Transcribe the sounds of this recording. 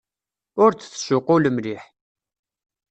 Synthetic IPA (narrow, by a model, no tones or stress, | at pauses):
ʊɾt͡sθʃʊquləmliħ